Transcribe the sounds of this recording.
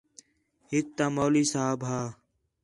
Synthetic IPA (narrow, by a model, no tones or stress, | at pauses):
hɪk̚t̪aːmoːliːsaːbɦaː